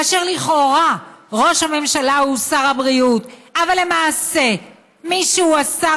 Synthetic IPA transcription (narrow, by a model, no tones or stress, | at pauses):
ʃeʁliχo̞ʁaʁo̞ʃhame̞mʃalausaʁhabʁiutavalːe̞maːse̞ | miʃuuasa